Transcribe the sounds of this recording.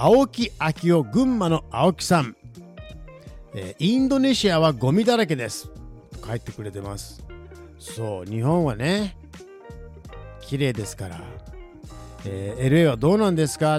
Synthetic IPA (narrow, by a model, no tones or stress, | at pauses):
ao̞kʲiakʲio̞ɡɯ̟̃mːano̞ao̞kʲi̥sãm | eːĩnd̪o̞ne̞ɕiaβ̞aɡo̞mʲid̪aɾak̬ed̪e̞sɨ̥t̪o̞̥kait̪ːe̞kɯ̟ɾe̞t̪e̞masɨ̥ | so̞ːɲ̟iɦõ̞ɰ̃βane̞ | kʲiɾe̞ːd̪e̞sɨ̥kaɾa̰ | eːeɾɯ̟e̞βad̪o̞ːnãnd̪e̞sɨ̥ka